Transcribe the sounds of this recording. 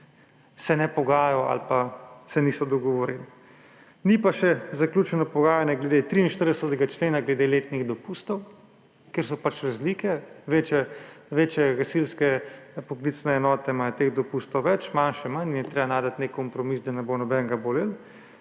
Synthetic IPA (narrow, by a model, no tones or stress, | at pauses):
sɛnɛpɔɡaːjɔa̰lpasɛnisɔd̪ɔɡɔʋɔɾil | nipaʃɛzaklʲuːt͡ʃɛnɔpɔɡaːjanjɛɡlɛd̪et̪ɾiːnʃt̪əɾd̪ɛsət̪ɛɡat͡ʃleːnaɡlɛd̪eleːt̪niɣd̪ɔpust̪ɔw | keɾsɔpat͡ʃɾazliːkɛʋet͡ʃɛʋet͡ʃjɛɡasilskɛpɔklit̪snɛːnɔːt̪ɛmajɔt̪eɣd̪ɔpust̪ɔwʋɛt͡ʃmanʃɛmannjɛt̪ɾebanaːd̪at̪nekːɔmpɾɔmisd̪anɛbonɔbɛŋɡabolil